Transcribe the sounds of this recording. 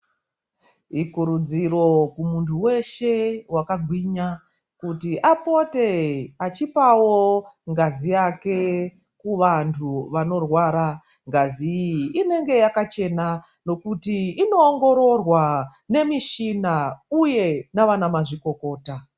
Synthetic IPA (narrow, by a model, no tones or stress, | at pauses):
ikuɾud͡ziro̞kumuntʰuwe̞ʃe̞wakaɡʱwiːɲa | kutiʔapo̞te̞at͡ʃipawo̞ŋɡazijake̞ | kuʋantʰuʋano̞rwaɾa | ŋɡaziine̞ŋɡe̞jakat͡ʃe̞na | no̞kutiːno̞ːŋɡo̞ɾo̞rwane̞miʃinauje̞naʋanamaʐiko̞ko̞ːta